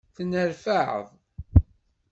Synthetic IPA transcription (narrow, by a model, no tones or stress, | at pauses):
θnəɾfaʕə̰ðˤ